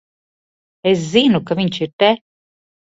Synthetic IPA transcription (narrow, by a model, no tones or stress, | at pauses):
ɛziːnukːavint͡ʃiɾt̪ɛ